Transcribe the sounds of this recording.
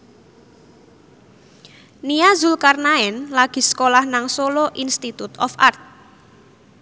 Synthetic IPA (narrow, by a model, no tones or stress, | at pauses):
niazulkarnaɛnlaɡ̥i̤sə̥kolahnaŋsoloʔinst̪it̪ut̪ɔ̰fa̰rt̪̚